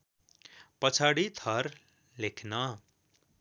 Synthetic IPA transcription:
pʌt͡sʰaɽit̪ʰʌr | lekʰnʌ

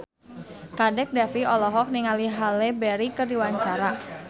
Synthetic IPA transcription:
kadɛk̚dɛfiɔlɔɦɔk̚niŋaliɦalɛbɛɾikərdiwaɲt͡ʃaɾa

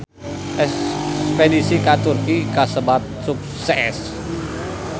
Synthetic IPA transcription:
ʔɛspedisikat̪urkikasəbat̪̚suk̚sɛs

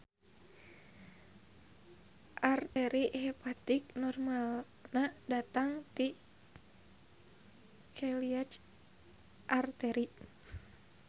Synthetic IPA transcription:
ʔart̪ɛɾiʔhɛpat̪iknɔrmal | nadat̪aŋt̪i | kʰɛliat͡ʃ | ʔart̪ɛɾi

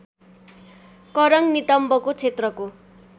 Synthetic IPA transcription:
kʌɾʌŋnit̪ʌmbʌkot͡sʰet̪rʌko

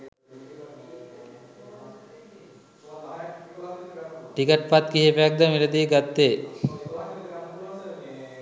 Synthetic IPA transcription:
ʈikəʈ̚pat̪kiɦepeak̚d̪amiɾəd̪iɡat̪ːeː

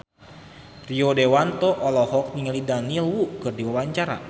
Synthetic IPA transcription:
riodewant̪ɔʔɔlɔhɔk̚niŋəlidanilwukɨrdiwawaɲt͡ʃaɾa̰

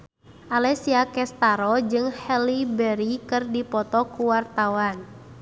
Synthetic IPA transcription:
ʔalɛsiakɛst̪aɾɔd͡ʒɨŋhɛlibɛɾikɨrdipɔt̪ɔkuwart̪awan

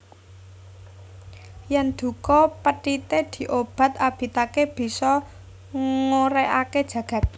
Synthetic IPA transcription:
jɛnd̪̥ṳkɔpəʈit̪ed̪̥i̤ʔob̥ä̤t̪ab̥i̤t̪akeb̥i̤sɔ | ŋŋoɾeʔaked̥ʒ̥ä̤ɡ̥ä̤t̪̚

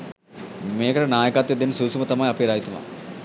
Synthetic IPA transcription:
meːkɐʈɐnaːjɐkaːt̪ːjɐd̪insuːsumɐt̪ɐmaːjɐpeːɾaːjit̪uma̰

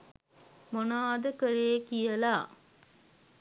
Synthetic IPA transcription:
monaːd̪əkəɾeːkijəlaː

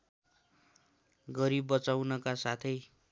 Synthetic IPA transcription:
ɡʌɾibːʌt͡sawnʌkasat̪ʰʌj

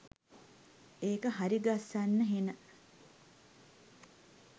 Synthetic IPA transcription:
eːkəɦaɾiɡasːanːəɦenə

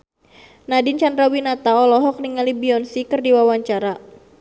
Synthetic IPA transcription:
nadint͡ʃandɾawinat̪aɔlɔɦɔk̚niŋalibiɔnsikɨrdiwawaɲt͡ʃaɾa

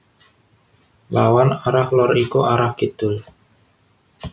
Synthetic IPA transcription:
lawanaɾahlɔɾikuʔaɾahɡ̥id̪̥ʊl

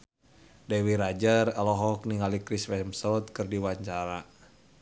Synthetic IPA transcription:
dɛwiɾad͡ʒəralɔɦɔk̚niŋalikɾiswɛɦɛmsɔt̪kɨrdiwaɲt͡ʃaɾa

